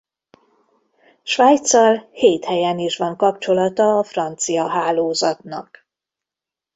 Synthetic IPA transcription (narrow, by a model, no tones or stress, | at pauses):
ʃʋaːjt̪sɒlheːt̪hɛjɛniʃʋɒŋkɒpt͡ʃo̞lɒt̪ɒːfrɒnt̪sijɒɦaːloːzɒt̪nɒ̰k